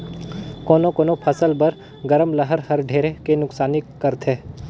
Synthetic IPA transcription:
koːnokoːnopʰɐsəlbɐɾ | ɡɐɾəmləɦəɾhɐɾɖʱeːɾekenʊksaːnɪkːɐɾt̪ʰeː

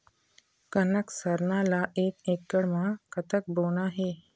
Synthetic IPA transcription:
kənəksəɾnalaʔekekːəɽmakət̪ək̚bonaɦe

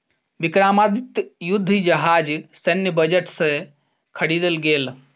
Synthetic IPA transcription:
bikɾamad̪it̪jud̪ʱːid͡ʒəɦad͡ʒsenjəbəd͡ʒəʈsẽ | kʰəɽid̪əlɡel

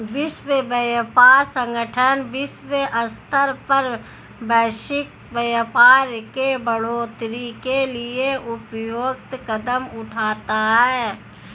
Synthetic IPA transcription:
ʋɪʃwəbəjpaːɾsə̃ŋɡəʈʰənʋɪswəʔəst̪əɾpəɾ | bɛːʃɪk̚ | bəjpaːɾkebəɽoːt̪ɾikelieʊpjoːɡt̪kəd̪əmʊʈʰaːt̪aɦɛː

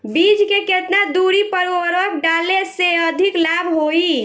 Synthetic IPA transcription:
bid͡ʒkeket̪nad̪uɾipəɾoɾək̚ɖaleseəd̪ʱiklabɦoi

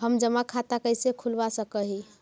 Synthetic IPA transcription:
həmd͡ʒəmakʰat̪akəjsekʰulbasəkəɦi

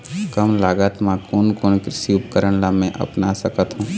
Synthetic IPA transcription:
kəmlaːɡət̪mãkoːnkoːnkɾɪsiʊpkəɾənlamɛ̃ʔɐ̰pnasəkət̪ɦũː

